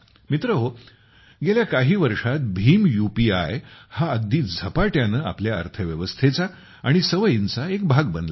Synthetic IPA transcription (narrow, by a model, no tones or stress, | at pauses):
mit̪ɾəɦo | ɡeljakaɦiːʋəɾʂat̪̚bʱiːmjupia̰jhaəɡ̚d̪iːd͡zʱəpaʈjanəːa̰pljaə̰ɾt̪ʰəʋjəʋəst̪ʰet͡sa | aɽ̃isəʋəjint͡saek̚bʱaɡ̚bənd̪la